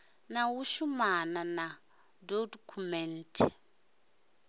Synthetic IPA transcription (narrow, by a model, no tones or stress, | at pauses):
nawuʃumanana | dodkʰumɛntʰɛ